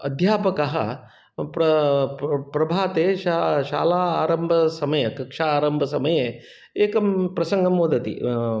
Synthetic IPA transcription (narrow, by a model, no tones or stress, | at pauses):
ɐ̰d̪ʱjaːpɐkɐɦɐ̰ | pɾɐ | pɾɐbʱaːt̪eːʃaʃa̰ːlaːaːɾɐmbʱɐsɐmɐjɐkɐkʂaːɾɐmbʱɐsɐmɐje | eːkɐmpɾɐsɐŋɡɐmːoːd̪ɐt̪ḭ